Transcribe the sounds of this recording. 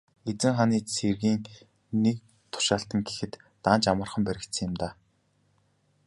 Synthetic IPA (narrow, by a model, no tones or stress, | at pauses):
et͡sɘ̆ŋχaniːserɣiːŋ | nek̚ | t̪ʰʊ̥ʃaːɬt̪ə̆ŋɡe̥xɘ̆t̪ːaːnt͡ɕamə̆rχə̆mpæɾʲɪ̆kt̪sə̆ŋjɪ̆mt̪aː